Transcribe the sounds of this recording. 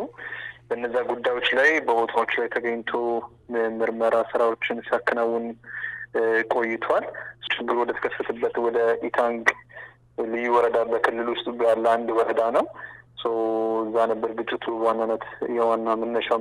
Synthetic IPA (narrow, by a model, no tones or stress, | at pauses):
ubəɨnːəzːaɡud̪ːajwo̞t͡ʃːlajbəbo̞t̪ʰawo̞t͡ʃːlajt̪ʰəɡəɲːt̪ʰo̞ | mɨɾməɾasɨɾawo̞t͡ʃːɪnsakːɨnawːʊn | kʼo̞jːɪt̪ʰwalst͡ʃʰɨɡːɨɾwɔd̪ət̪ʰə̥kʰəsːət̪ʰəbːət̪wɔd̪əʔit̪ʰaŋɡ | lɨjːwɔɾəd̪abəkʰɨlːɨlwʊst̪ʼbjalːand̪wɔɾəd̪anəwsəwɨzːanəbːəɾɡɨt͡ʃʼːɪt̪ʰuwanːanət̪jɛwanːamənːəʃa